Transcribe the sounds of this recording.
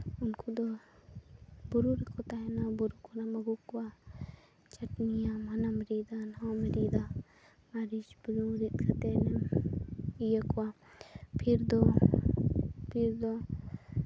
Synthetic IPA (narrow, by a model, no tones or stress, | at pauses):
unkud̪o | buɾuɾikʰot̪aɦenabuɾukʰonamɐɡukwa | t͡ʃɐʈnijamɐnamɾid̪anomɾid̪a | maɾit͡ʃbuluɾit̪kʰɐt̪ene | jekuwa | pʰiɾd̪o | pʰiɾd̪o